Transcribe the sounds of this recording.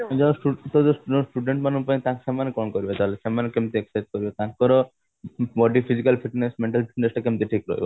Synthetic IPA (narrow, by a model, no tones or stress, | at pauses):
d͡ʑɔsʈut̪od̪oɔsʈuɖeɳʈmanupat̪ãkʃɛmanekɔnkoɾibet̪aɦolesɛmanekemt̪ieksaʈ̚koɾibet̪ãkkɔɾo | bɔɖifʰizikalfiʈnesmeɳʈalfi̥ʈnesʈakemt̪eʈʰikɾo̰ɦḛbo